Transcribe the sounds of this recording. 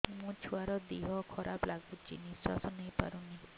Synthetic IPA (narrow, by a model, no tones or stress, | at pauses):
mũt͡ʃʰuwaɾɔd̪iɦɔkʰɔɾʔaplaɡut͡ʃḭniswa̰sɔnejpa̰ɾuni